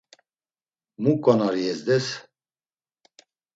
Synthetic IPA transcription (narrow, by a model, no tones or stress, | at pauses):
mukʼɔnaɾiɛzd̪ɛs